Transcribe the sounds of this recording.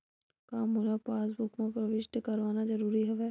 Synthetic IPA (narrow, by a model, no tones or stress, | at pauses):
kaːmɦoːlapaːsbʊkmẽpɾɐʋɪʃʈəkɐɾʋaːnazɐɾuːɾiɦɛʋɛː